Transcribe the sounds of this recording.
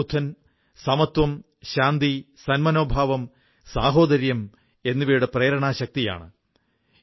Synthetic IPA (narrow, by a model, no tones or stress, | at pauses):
ut̪ʰːɐn | sɐmɐt̪wɐm | ɕaːnd̪isɐnmɐno̞ːbʱaːʋɐm | saːɦo̞ːd̪ɐɾjɐm | e̞nːuʋiːjuɽeprɐːɐɾɐɳaːɕɐk̚t̪ija̰ːɳɨ̰